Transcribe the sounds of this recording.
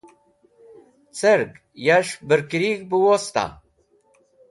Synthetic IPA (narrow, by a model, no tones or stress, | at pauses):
t͡sʰəɾk | jaʃbəɾkɾikbuwost̪a̰